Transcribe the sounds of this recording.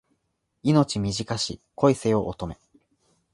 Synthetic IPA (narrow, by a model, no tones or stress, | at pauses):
ino̞t͡ɕimʲiʑikaɕikʰo̞ise̞oʔot̪o̞me̞